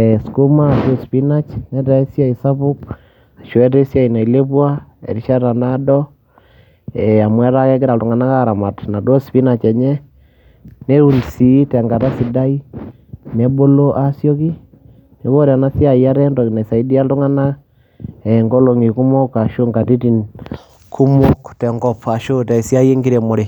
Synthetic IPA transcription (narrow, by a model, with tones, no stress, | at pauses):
ɛsku˦ma˦˨to˦spi˦na˦t͡ʃnɛ˦ta˨e˦sja˦isa˦pʊ˦k̚ | a˨ʃɔ˦ɛ˦te˦sja˦˨i˨na˨i˨le˦pwa˦ɛ̰˨ɾi˦ʃa˦ta˨na˦dɔ˦ | ɛ˨a˨mwɛ˦ta˦kɛ˦kɪ˦ɾa˨ltu˨ŋa˨na˦ka˦ɾa˨ma˨tna˨do˦spi˦na˨t͡ʃɛ˨ɲɛ˦ | ne˦u˨nsi˨tɛ˨ŋɡa˨ta˦si˨da˦i˦ | nɛ˨bo˦lo˦ʔa˦sjɔ˦ki˦ | ne˨˦ko˦ɾa˨na˦sja˨ja˦ɾɛ˦ndɔ˨ki˨ne˨sa˨i˦di˦a˦ltu˦ŋa˦na˦ | ɛ˨ŋɡo˦lo˨ŋi˨ku˦mo˦kːa˨ʃo˦ŋɡa˨ti˦ti˨n | kʰu˦mo˦ktɛ˨ŋɡɔ˦pa˨ʃo˦tɛ˨sa˦je˦ŋɡi˦ɾe˨mo˨ɾe˨